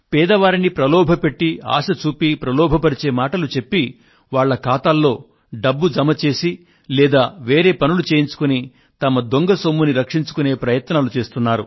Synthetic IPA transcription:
pɛːd̪ɐʋaːɾinipɾɐlɔːbʱɐpe̞ʈːia̰ːʃɐt͡ʃuːpipɾɐlɔːbʱɐpɐɾit͡ʃe̞ːmaːʈɐlut͡ʃe̞pːi | ʋaːɭːɐkaːt̪aːlːo̞ː | ɖɐbːud͡ʒɐmɐt͡ʃe̞ːsi | lɛːd̪aːʋe̞ːɾe̞ːpɐnulut͡ʃeːjiɲt͡ʃu̥kuni | t̪ɐmɐd̪oŋɡɐsomːuniɾɐkʂiɲt͡ʃu̥kune̞ːpɾɐjɐt̪naːlut͡ʃe̞ːst̪unːaːɾu

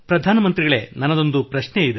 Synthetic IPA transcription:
pɾɐd̪ʱaːnɐmɐnt̪ɾiɡɐɭe̞nɐnɐd̪o̞nd̪upɾɐʃneid̪e

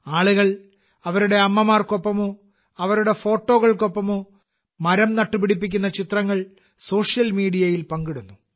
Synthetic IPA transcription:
aːɭuɣɐɭ | ɐʋɐɾuɽe̞ɐmːɐmaːrko̞pːɐmo | ɐʋɐɾuɽe̞fo̞ːʈːo̞ːɣɐɭko̞pːɐm | mɐɾɐmnɐʈːupiɽipːikʲːunːɐt͡ɕit̪rɐŋːɐɭ | so̞ːʂjɐlmiːɽijɐjilpɐŋɡiɽunːu

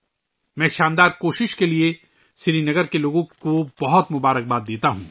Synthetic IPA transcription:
mɛ̃ːʃãːnd̪aːɾkoːʃɪʃkelie | sɪɾinɐɡəɾkeloːɡõkobɐɦɔt̪mʊbaːɾək̚baːd̪̚d̪eːt̪aɦũː

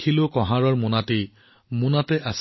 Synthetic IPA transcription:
kʰilʊkɔ̃ɦaɹɔɹmunate | munatɛʔas

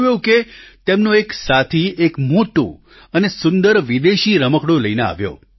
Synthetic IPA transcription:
joket̪emnoeksat̪ʰiekmoʈo̰ | ənesʊnd̪əɾʋid̪eʃiɾəməkɽoləinea̰ʋjo̰

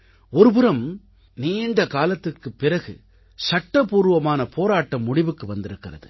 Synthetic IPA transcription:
ɔɾɯpɯɾɐm | niːɳɖɐkaːlɐt̪ːɪrkɯpːɪrɐɣɯ̰ | sɐʈːɐpuːɾɯʋɐmaːnɐpʰoːɾaːʈːɐmːʊɽɪʋɯkːɯʋɐnd̪ɪɾɯkːɪrɐ̰ðɯ

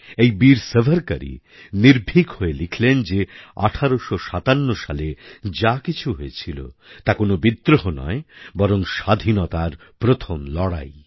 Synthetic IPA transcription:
ejbiɾsebʱaɾka̰ɾḭ | niɾbʱikhoelikʰlend͡ʑea̰ʈʰaɾoʃoʃat̪anːoʃaled͡ʑakit͡ɕʰuɦoet͡ɕʰilo̰t̪akonobid̪ɾoɦonɔ̰ebɔɾoŋʃad̪ʱinɔt̪aɾ | pɾot̪ʰomlɔɽa̰j

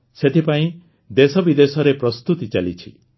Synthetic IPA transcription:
set̪ipaĩ | d̪esɔbid̪esɔɾepɾɔst̪ut̪it͡ʃalit͡ʃʰḭ

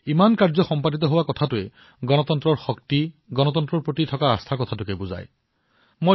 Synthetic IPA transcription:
imankaɹzɔxɔmpadit̪ɔɦowakɔtʰatʊe | ɡɔnɔt̪ɔnt̪ɾɔɹxɔktiɡɔnɔt̪ɔnt̪ɾɔɹpɹotitʰɔkaːst̪ʰakɔt̪ʰatʊkebuza̰j | mo

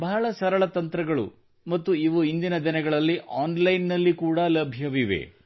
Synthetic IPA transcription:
bɐɦɐɭɐsɐɾɐɭɐt̪ɐnt̪ɾɐɡɐɭṵ | mɐt̪ːuiʋuind̪inɐd̪inɐɡɐɭɐlːiʔaːnlɐjnːɐlːikuːɽɐlɐbʱjɐʋiʋḛ

